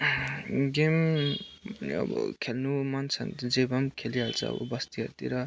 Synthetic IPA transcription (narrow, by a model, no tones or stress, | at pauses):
ɡem | ʌ̰bʌ̰kʰelnumant͡sʰʌ̰nd͡zebʌmkʰeliɦalt͡sʰʌ̰ːbʌ̰bʌst̪iɦʌɾt̪iɾʌ